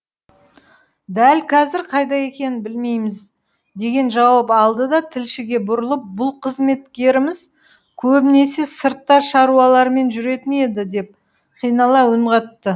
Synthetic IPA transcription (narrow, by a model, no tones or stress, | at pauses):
d̪ælkʰɑzɪɾqʰɑjd̪ɑje̞kʲe̞nɪnbɪlme̞jmɪz | d̪e̞ɡʲe̞nʒɑwɑpɑlˠd̪əd̪ɑt̪ʰɪlʃɪɡʲe̞bʊɾəlˠəp̚bʊlˠqʰəzme̞t̪kʲe̞ɾɪmɪz | kʲʰɵbɪne̞se̞səɾt̪ːɑʃɑɾuwɑlˠɑɾme̞nʒʏɾe̞t̪ɪmed̪ɪd̪e̞p̚ | qʰijnɑlˠɑwʊɴʁɑt̪ːə